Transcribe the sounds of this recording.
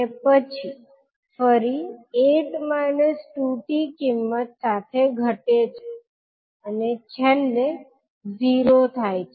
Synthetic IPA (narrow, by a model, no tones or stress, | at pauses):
epət͡ʃʰi | fəɾieʈmajnəsʈuʈikɪmːət̪sat̪ʰeɡʱəʈet͡ʃʰe | ənet͡ʃʰelːe | d͡ʒiɾot̪ʰajt͡ʃʰ